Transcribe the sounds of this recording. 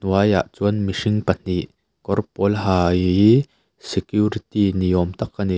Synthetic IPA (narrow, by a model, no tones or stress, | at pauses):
nuaja̰ːʔt͡suənmiʂiŋpɐn̥iʔ | kɔrpɔlɦaːji | sɛkjuɾit̪iniɔmt̪ɐkːɐni